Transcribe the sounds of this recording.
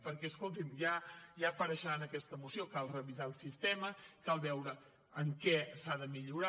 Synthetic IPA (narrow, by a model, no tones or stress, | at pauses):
pəɾkɛəskolˠt̪̬imjaʒaəpəɾəʃəɾanəkɛst̪əmusiokalˠrəβizaəlˠsist̪ɛməkalˠβɛwɾə | əŋkɛsaðəmiʎuɾa